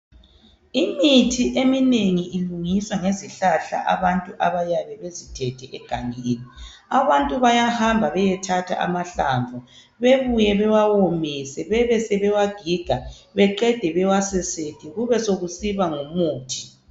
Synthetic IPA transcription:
imitʰiʔemineŋiʔiluŋiswaŋeziɬaɬa̰ʔa̰βantʼuʔaβajaβɛβezitʰɛtʰɛʔɛɡ̥ʱaŋeːni | aβantʼuβajahambʱaβɛjɛtʰatʰa̰ʔa̰maɬa̰ɱvu | βeβujɛβɛwawomisɛβɛβɛsɛβɛwaɡ̥ʱiɡ̥ʱa | βɛǃɛd̥ʱɛβɛwasɛsetʰiɣuβɛsoɣusiβaŋumuːtʰi̥

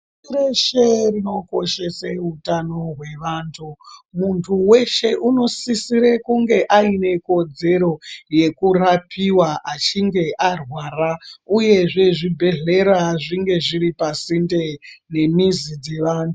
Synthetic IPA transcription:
iɾeʃerino̞ko̞ʃe̞seutano̞ɦwe̞ʋaːntʰumuntʰuwe̞ʃe̞ʔuno̞sisiɾekuŋɡe̞ʔaine̞ko̞d͡ze̞ɾo̞je̞kurapiwaʔat͡ʃiŋɡe̞ʔarwaːrauje̞ʐe̞ʐibʱe̞ɮe̞ɾaʐiŋɡe̞ʐiɾipasinde̞ne̞mizid͡ze̞ʋaːntʰu

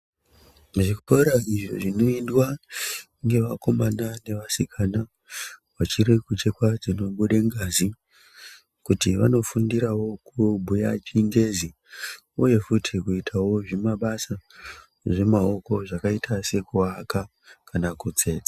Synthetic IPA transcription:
ʐikupauɾaiʐo̞̰ʐino̞indwa | ŋɡe̞ʋako̞manane̞ʋasikʰana | wat͡ʃiɾikut͡ʃekwad͡zino̞ɓuɗeŋɡazi | kutiʋa̰no̞fundiɾawo̞kubʱuja̰t͡ʃiŋɡe̞zi | uje̞futʰikuitʰawo̞ʐimaɓasa | ʐe̞mao̞ko̞ʐakaitʰase̞kuaka | kanakut͡se̞ːt͡sḁ

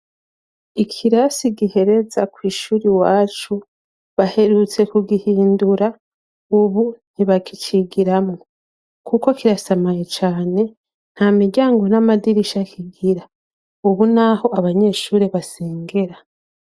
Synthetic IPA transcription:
ikʰiɾasiɡihe̞ɾe̞zakwiːʃuːɾiwaːt͡ʃu | βahe̞ɾut͡se̞kuɡihiːnduɾa | uβun̥iβakit͡ʃiɡiɾamŋo̞ | kʰuko̞kiɾasamajet͡ʃaːne̞ | n̥hamiɾɟaːŋɡo̞namadiɾiʃakʰiɡiɾa | uβunaho̞aβaɲe̞ːʃuːɾeβaseːŋɡe̞ɾa

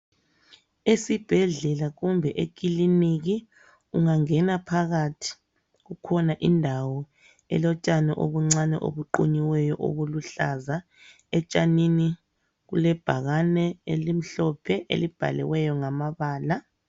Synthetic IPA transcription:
esib̥ʱɛɮɛlaɣumbʱɛʔek̬ʼiliniɣi | uŋaŋɛnapʰaɣatʰi̥ | ɣukʰɔnaʔindʱawɔ | ɛ̰lɔt͡ʃʼanɛʔo̰βuŋ͡ǀanɛʔo̰βuǃuɲiwɛjɔʔo̰βuluɬaza | ɛt͡ʃʼanini | ɣulɛb̥ʱaɣanɛelim̩ɬɔpʰɛʔḛlib̥ʱa̰lɛ̰wɛjɔŋamaβaːla

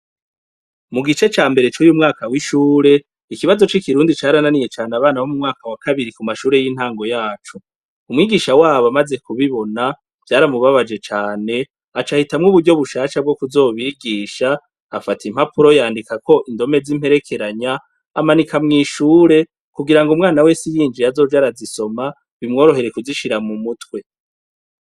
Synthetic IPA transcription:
muɡit͡ʃe̞t͡ʃaːmbe̞ɾe̞t͡ʃojumŋaːkawiʃuːɾe̞ | ikiβazo̞t͡ʃikiɾuːndit͡ʃaːɾananije̞t͡ʃaːneaβaːnahomumŋaːkawakaβiɾikumaʃuːɾe̞jin̥haːŋɡo̞jaːt͡ʃo | umŋiːɡiʃawaːβoamaze̞kuβiβo̞na | v̥jaːɾamuβaβad͡ʒe̞t͡ʃaːne̞ | at͡ʃahitamŋuːβuɾɟo̞βuʃaːʃab̚ɡo̞kuzo̞ːβiːɡiːʃaː | fatim̥hapuɾo̞jaːndikakʰo̞ʔindo̞me̞zim̥he̞ɾe̞kʰe̞ɾaɲaː | manikamŋiːʃuːɾe̞ | kuɡiɾaŋɡumŋaːnawe̞ːsijiːnd͡ʒijazo̞ːd͡ʒaɾaziso̞ma | βimŋo̞ːɾo̞ɦe̞ɾe̞kuziʃiɾamumutkwe̞

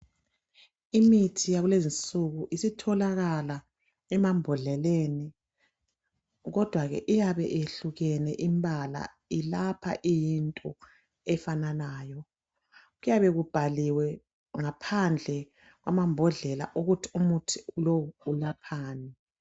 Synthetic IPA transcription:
imitʰijaɣulezint͡sʼuɣuʔisitʰɔlaɣala | ɛmambʱɔɮɛleni | ɣɔd̥ʱwaɣɛ̰ʔijaβɛ̰ʔeɬuɣɛnɛʔimbʱala̰ | ilapʰa̰ʔijintʼɔ | ɛfananaːjɔ | ɣujaβɛɣub̥ʱaliwɛ | ŋapʰand͡ɮʱɛ | ɣwamambʱɔɮɛla̰ʔuɣutʰi̥umutʰiulowuːlapʰaːnɛ

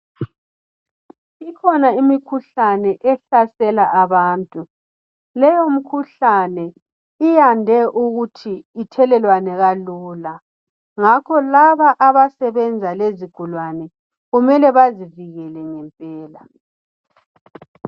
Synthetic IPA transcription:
ikʰɔnaimikʰuɬanɛʔɛɬasɛlaʔaβaːntʼu | lɛjom̩kʰuɬanɛ | ijandʱɛʔuɣutʰiːtʰɛlɛlwanɛɣaluːla | ŋakʰɔlaβaʔaβasɛβɛnd͡zʱaleziɡ̥ʱulwanɛ | ɣumɛlɛβaziviɣɛlɛŋɛmpʼɛːla

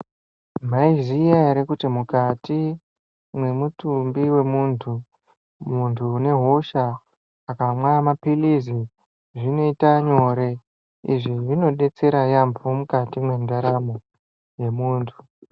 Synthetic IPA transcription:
m̤aizijaeɾekutimukati | mwe̞mutumbiwe̞muntʰu | muntʰuːne̞ɦo̞ʃaː | kamwaamapilizi | ʐino̞itaɲo̞ɾe̞ | ḭʐiʐino̞ɗe̞t͡se̞ɾajambomukatimwe̞ndaɾamo | je̞muːntʰu

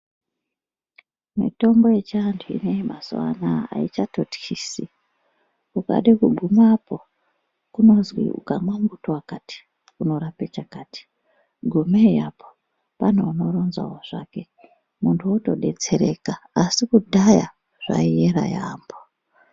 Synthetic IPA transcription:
mḭto̞ŋɡo̞jet͡ʃiantʰuḭneimasṵwa̰naa̰it͡ʃatotxiːsi | kuka̰ɗekuɡʱumapo̞ | kuno̞zwḭṵkamwamɡutowakati̥ | kuno̞ɾapet͡ʃakaːti̥ | ɡʱumejapo̥ | pan̤uano̞ɾo̞nza̰woʐ̥a̰ke̞ | muntʰuuto̞ɗe̞t͡se̞ɾe̞̰kaːsikudʱaja | ʐ̥a̰ieɾa̰jaːmbo

